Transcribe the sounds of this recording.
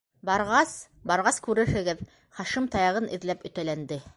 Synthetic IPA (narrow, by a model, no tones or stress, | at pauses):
bɑɾʁɑs | bɑɾʁɑskʉɾɘ̆ɾhɘ̆ɡɘð | χɑʃimt̪ɑjɑʁɤnʔḭ̆ðlæpɵ̆t̪ælænd̪ɘ